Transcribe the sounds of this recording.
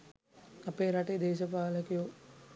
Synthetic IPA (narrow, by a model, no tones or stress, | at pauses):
apeːɾaʈed̪eːʃɐpaːləkijo